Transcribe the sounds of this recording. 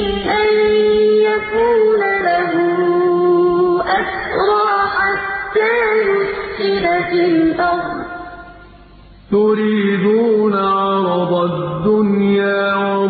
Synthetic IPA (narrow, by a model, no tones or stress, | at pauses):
lanjakuːnalaɦʊ | ʔasɾˤɑːħat̪ːaːjʊssɪlafɪlʔaðˤ | t̪ʊɾiːd̪uːnaʕɑɾˤɑd̪ˤad̪ːʊnjaːwa